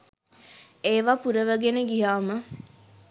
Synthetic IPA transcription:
eːʋapuɾəʋəɡenəɡijaːmə

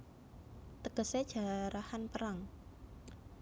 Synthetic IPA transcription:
t̪əɡ̥ə̤sed̥ʒ̥a̤ɾahanpəɾaŋ

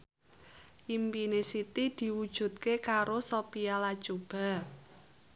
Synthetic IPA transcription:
ʔimpinesit̪id̪̥i̤wud̥ʒ̥ṳt̪̚kekaɾosopialad̥ʒ̥ob̥a̤

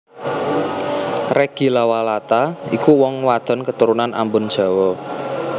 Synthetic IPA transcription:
reɡ̥i̤lawalat̪aikuwɔŋwad̪̥ɔ̤nkət̪uɾunanʔa̰mbʊnd̥ʒ̥a̤wɔ

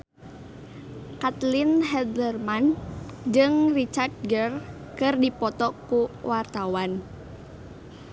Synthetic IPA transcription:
kat̪lɪnɦɛd̪lərmand͡ʒɨŋrit͡ʃart̪̚ɡər | kɨrdipɔt̪ɔkuwart̪awan

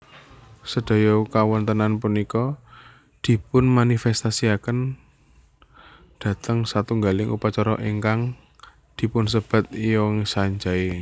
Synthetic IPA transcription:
səd̥a̤jɔkawɔnt̪ənanpunikɔ | d̪̥i̤pʊnmanifɛst̪asiakən | d̪̥ä̤t̪əŋsat̪uŋɡalɪŋṵpat͡ʃɔɾɔ̰ʔeŋkaŋ | d̪̥i̤pʊns̬əb̥a̤t̪̚ijɔŋisaɲd͡ʒae

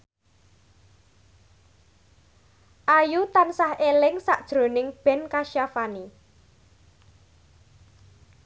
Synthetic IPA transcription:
ʔajut̪ansahelɪŋsaʔd̥ʒ̥ɾo̤nɪŋb̥ɛ̤nkaʃjafani

